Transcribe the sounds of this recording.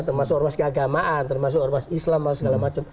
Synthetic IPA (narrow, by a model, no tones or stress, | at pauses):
t̪ərmasʊk̚ɔrmaskəaɡamaʔant̪ərmas̬ʊkɔrmasislamasɡalamat͡ʃam